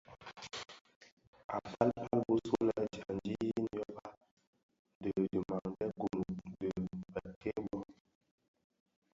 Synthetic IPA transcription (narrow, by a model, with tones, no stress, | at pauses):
a̰˨pʰa˦lpʰa˦lbu˦su˦nə˨˦d͡ʒa˨n˨˦d͡ʒi˦n˦jɔ˦ba˦ | də˨də˨ma˨ŋ˨dɛ˦ɡu˨mu˨˦də˨ə˨kʰe˦bɔ˦